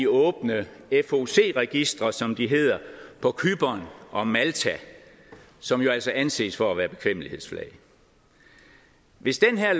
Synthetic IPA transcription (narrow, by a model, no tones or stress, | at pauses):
iɔːb̥nəefo̝se̝̰ːʁɛɡ̥isd̥ʁɐsɒ̽md̥iɦe̝ð̰ˠɐpʰɒ̽kʰyb̥ɒnʔɒ̽mælt͡sʰæ | sɒ̽mjo̝æl̰sɒ̽ʔænse̝̰ːsfɒæʋæːɐb̥e̝kʰʋem̰lihe̝ðˠsflɛ̰ɪ | ʋe̝sd̥enɦeɐ̰